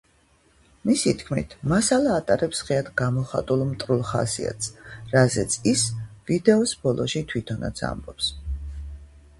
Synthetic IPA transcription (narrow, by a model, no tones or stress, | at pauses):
misit̪ʰkʰmḭt̪ʰmasalˠaːt̪ʼaɾɛpsʁɛad̪ɡamɔχa̰t̪ʼulˠmt̪ʼɾulˠχa̰sḭa̰t̪sɾazɛt̪sʰisvid̪ɛɔsbɔlˠʔɔʃit̪ʰwit̪ʰɔna̰t̪sʰa̰mbɔps